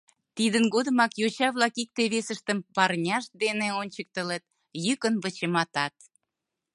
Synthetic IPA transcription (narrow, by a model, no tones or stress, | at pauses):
t̪id̪ənɡod̪ə̆mɑkjot͡ɕɑβlɑkik̚t̪eβesəʃt̪əmpɑrnʲɑʃ̚d̪eneonʲt͡ɕək̚t̪əlet̪̚ | jykənβət͡ɕemɑt̪ɑt̪̚